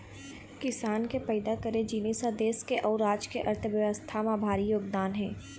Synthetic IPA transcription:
kɪsaːnkepɛːd̪akɐɾẽd͡ʒiːneːsad̪eːskeʔɔːɾaːd͡ʒkeʔɐɾt̪ʰəʋjəʋəst̪ʰamãbʱaːɾijoːɡ̚d̪aːnɦɛ̃ː

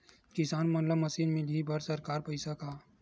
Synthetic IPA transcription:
kɪsaːnmɐnləmɐsiːnmɪlibʱɐɾsɐɾkaːɾpɐɪsakaː

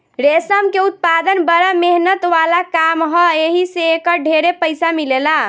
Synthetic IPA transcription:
ɾesəmkeut̪̚pad̪ənbəɾameɦnət̪ʋalakamɦɔeɦiseːkəɾɖʱeɾepəjsamilela

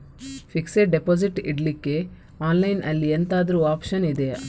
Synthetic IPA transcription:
fikseɖepoːd͡ʒiʈḭɖlikːe | aːnlɐjnʔɐlːient̪aːd̪ɐɾuaːpʃɐnid̪e

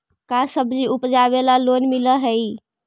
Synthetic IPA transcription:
kasəbd͡ʒiupd͡ʒabelalonmiləɦəi

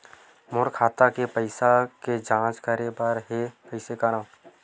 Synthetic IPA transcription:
mʊɾkʰaːt̪akepəɪsaked͡ʒãːt͡ʃkəɾebəɾɦepəɪsekəɾãː

